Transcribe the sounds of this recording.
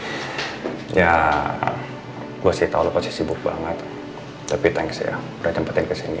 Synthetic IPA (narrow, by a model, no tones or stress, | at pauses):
ja | ɡuasajat̪aulapasisibʊk̚ba̰ŋət̪ | t̪apit̪aŋɡisa̰ja̰ | ɾad͡ʒampat̪ɪnkəsinḭ